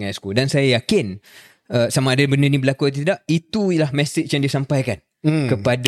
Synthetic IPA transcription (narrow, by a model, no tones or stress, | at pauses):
askudansajajakɪn | əsamaːdabəndənĩbəlakuat̪̬it̪idaʔit̪ulahmɛ̃st̪ɪt͡ʃjaŋdiasampajkan | kəpad